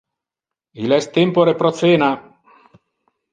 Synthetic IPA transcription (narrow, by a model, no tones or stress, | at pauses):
ilɛst̪empoɾepɾot̪seːna